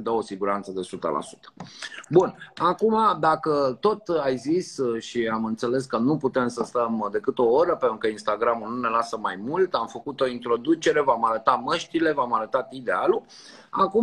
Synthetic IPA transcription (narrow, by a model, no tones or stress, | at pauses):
d̪əo̞siɡuɾant̪səd̪e̞sut̪ə̰lʔa̰su̥t̪ə̥bunakumad̪akət̪o̞t̪ajzisʃiamɨnt̪se̞le̞skənuput̪e̞msəst̪əmd̪e̞kɨt̪o̞oɾəpent̪ɾukəinst̪aɡɾamunune̞lasəmajmult̪amfəkut̪o̞int̪ɾo̞d̪ut͡ʃe̞ɾe̞vamaɾət̪aməʃt̪ile̞vamaɾət̪at̪id̪e̞alu | aku